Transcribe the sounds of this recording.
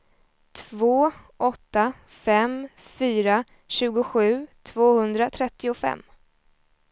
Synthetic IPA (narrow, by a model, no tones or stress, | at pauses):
t̪ʰvoːʔɔt̪ːa | fɛmfyːɾa | ɕʉ̟ːɡʊɧʉ̟ːt̪ʰvoːhɵnd̪ɾat̪ʰɾɛt̪ːɪʊfɛ̰mː